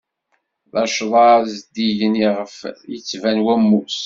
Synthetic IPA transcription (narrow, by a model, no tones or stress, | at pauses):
ðɑʃðˤɑzd̪iʝəniʁəfjət͡sːvænwæmːus